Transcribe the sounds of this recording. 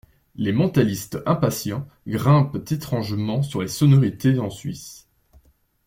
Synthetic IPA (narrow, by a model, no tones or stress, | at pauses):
lemɑ̃t̪alist̪ɛ̃pasjɑ̃ | ɡʁɛ̃pt̪et̪χɑ̃ʒmɑ̃syʁlesɔnɔʁit̪eɑ̃sɥḭs